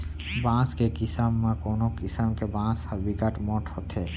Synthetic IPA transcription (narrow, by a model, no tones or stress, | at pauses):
bãskekɪsəmːãkonokɪsəmkebãːshəbikəʈmɔʈʰhot̪ʰe